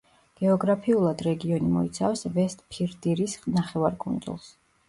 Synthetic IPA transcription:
ɡ̥ɛɔɡɾapʰiulˠad̪ɾɛɡiɔnimɔ̰it̪sʰafsvɛst̪ʼpʰiɾd̪iɾisnaχɛvaɾkʼṵnd̪zṵlˠs

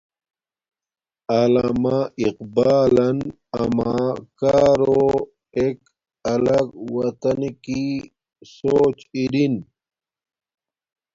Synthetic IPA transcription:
alamaiqbaːlɐn | ɐmakaːɾo | ek | ɐlɐɡwɐt̪ɐnki | soːt͡ɕiɾin

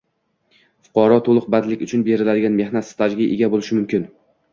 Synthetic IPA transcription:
fʊ̥qʰɒɾɒt̪ʰolˠɨq̚bad̪lɪkʲʊt͡ʃʰʊnbe̞ɾɪlad̪ɪɡʲanme̞hnat̪st̪ʰad͡ʒɡʲɪʔeɡʲabolɪʃɪmʊmkʲɪn

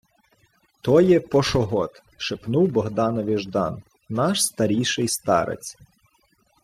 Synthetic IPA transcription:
t̪ɔjɛpɔʃɔɦɔt̪ | ʃepnuwbɔɦd̪ɑnɔʋʲiʒd̪ɑ̰n | nɑʃst̪ɐɾʲijʃɪjst̪ɑ̰ɾḛt͡sʲ

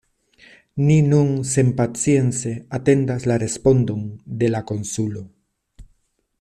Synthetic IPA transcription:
ninunse̞mpat͡sie̞nt͡se̞ate̞ndaslaɾe̞spo̞ndo̞nde̞lako̞nsulo̞

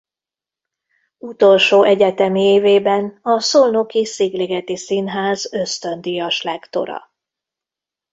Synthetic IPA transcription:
ut̪o̞lʃoːʔɛɟɛt̪ɛmieːveːbɛnɒsolnokisiɡleɡɛt̪isinɦaːzø̞st̪ø̞nd̪ijɒʃlɛkt̪o̞̰ɾɒ̰

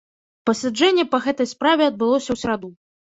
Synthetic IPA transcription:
pɐsʲad͡ʐɛnʲːɛpɐɣɛt̪ɐjspɾavʲɛɐd̪̚bɨlˠɔsʲɐwsʲɛɾad̪u

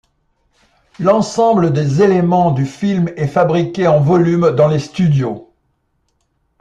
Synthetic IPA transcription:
lɑ̃sɑ̃bləd̪ezelemɑ̃d̪yfilmɛfabʁikʲeɑ̃vɔlymd̪ɑ̃lest̪yd̪jo

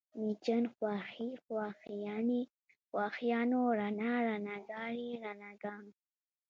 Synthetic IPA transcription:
mit͡ʃənxwaxixwaxijani | χwaxijanoɾanaɾanaɡaɾiɾanaɡan

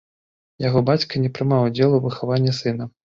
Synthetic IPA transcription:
jaɣɔbat͡sʲkɐnʲɛpɾɨmawd͡zʲɛlˠuvɨxavanʲːɐsɨnɐ

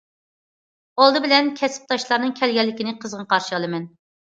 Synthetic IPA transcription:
olˠd̪ɨbɪlɛnkʲʰɛsɪ̥p̚t̪ʰɑʃlˠɑɾnɨŋkʲʰɛlɡʲɛlːɪkʲinɪqʰəzʁɑqʰɑɾʃɨɑlˠɨmɛn

